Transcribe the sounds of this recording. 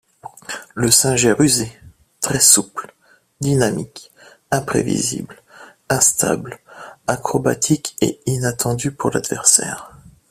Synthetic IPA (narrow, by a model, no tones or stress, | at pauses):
ləsɛ̃ʒɛʁyze | t̪χɛsupl | d̪inamik | ɛ̃pχḛvḭzḭbl | ɛ̃st̪ʰa̰blakχɔba̰t̪ʰikḛinat̪ɑ̃d̪ypuʁla̰d̪vɛʁsɛ̰ːʁ